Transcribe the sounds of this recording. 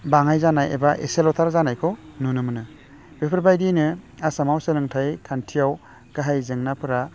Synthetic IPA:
baŋajzanajḛbaʔeselɔtʰaɾzanajkʰɔnunɯmɯnɯ | b̥epʰɯɾbajdinɯasamawsɯlɯŋtʰajkʰantʰijaw | ɡ̥aɦajzɯŋnapʰɯɾa

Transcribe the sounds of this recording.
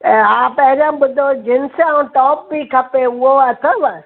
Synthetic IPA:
ɦãːpɐ̃ɦɪ̃ɾãːɓʊd̪ʱod͡ʑɪnsãũʈɔːp̚bikʰɐpeʊɦoɐt̪ʰəʋə

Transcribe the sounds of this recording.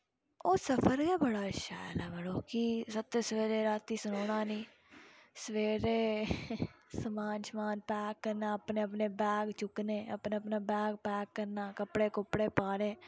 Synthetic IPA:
oːsəpʰəɾɡɛːbəɽaːʃa̰ːjəlɛːbəɽoːkisət̪ːeːsəʋeːɾeːɾaːt̪ːiːsʊnoːɽ̃aːnĩː | səʋeːɾeː | səmaːnʃəmaːnpɛːkːəɾnãːəpneːəp̬neːbɛːɡt͡ʃʊkneːə̰pneːəp̬naːbɛːɡ̚pɛːkːəɾnaːkəpɽeːkʊpɽeːpaːɽeː

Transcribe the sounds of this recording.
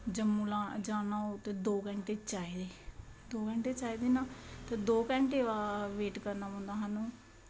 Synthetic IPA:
d͡ʒəmːuːlãːd͡ʒaːnãːot̪eːd̪oːkɛ̃ɳʈeːt͡ʃaːiːd̪eːd̪oːkɛ̃ːɳʈeːt͡ʃaːiːd̪eːnãːt̪eːd̪oːkɛ̃ːɳʈeːʋaːʋeːʈkəɾnaːpə̃ːnd̪aːɦaːnũː

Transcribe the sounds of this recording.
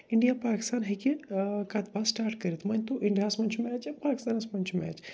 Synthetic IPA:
ɪɳɖijaːpaːki̥st̪aːnɦekikaːt̪baːsʈaːɾʈkɐɾit̪mɐnʲt̪oʔiɳɖijaːsmɐnt͡ʃʰumɛːt͡ʃapaːki̥st̪aːnɐsmɐnt͡ʃʰumɛ̰ːt͡ʃ

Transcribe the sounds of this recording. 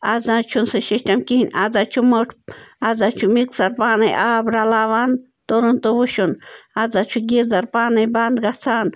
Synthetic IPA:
azãːt͡ʃʰunsɨʃiʃʈamkiɦinʲazat͡ʃʰumoʈʰazat͡ʃʰumiksaɾpaːnɐjʔaːbɾalaːʋan | t̪oɾunt̪owuʃunad͡zat͡ʃʰuɡizaɾpaːnɐjband̪ɡat͡sʰaːn

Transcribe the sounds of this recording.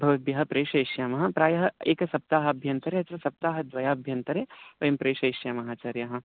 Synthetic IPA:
bʱɐʋɐt̪̚bjɐɦɐpɾeːʃɐiʃjaːmɐɦɐ̃̆pɾaːjɐɦɐeːkɐsɐp̚t̪aːɦɐ̆ɐbʱjɐnt̪ɐɾeɐt̪ɾɐsɐp̚t̪aːɦɐd̪ʋɐjaːɐbʱjɐnt̪ɐɾeːʋɐjɐmpɾeːʃɐiʃjaːmɐɦaːt͡ʃaːɾjɐɦɐ̃̆

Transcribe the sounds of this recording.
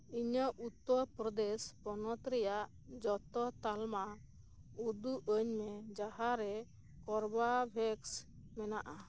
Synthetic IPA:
iɲəʔut̪ːɔɾpɾɔd̪ɛspɔnɔt̪ɾɛjaʔ | d͡ʒɔt̪ɔt̪alma | ud̪uʔəɲmɛd͡ʒaɦaɾɛ | kɔɾbabʱɛks | mɛnaʔa

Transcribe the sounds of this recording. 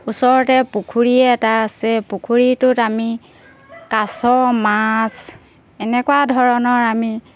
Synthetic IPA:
usɔɹɔtɛpukʰuɹiɛtaːsɛpukʰuɹitʊtami | kasɔmas | ɛnɛkwadʱɔɹɔnɔɹami

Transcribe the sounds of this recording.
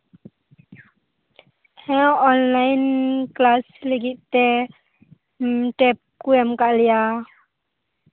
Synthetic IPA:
hɛ̃ɔnlajinklasləɡiʔt̪ɛ | ʈɛp̚kuɛmkaʔlia

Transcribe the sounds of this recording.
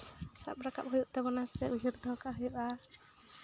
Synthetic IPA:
sa̰p̚ɾaka̰p̚ɦujuʔt̪ɛbɔnasɛʔuɦiɾd̪ʱɔkaɦujuʔa

